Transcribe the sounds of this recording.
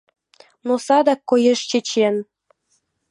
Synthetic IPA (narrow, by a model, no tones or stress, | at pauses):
nosɑd̪ɑkːojeʃt͡ɕĕt͡ɕen